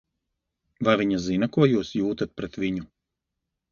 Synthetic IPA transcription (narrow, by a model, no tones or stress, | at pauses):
vajvʲiɲazinɐkuɔjuːsjuːt̪at̪̚pɾɛt̪vʲiɲu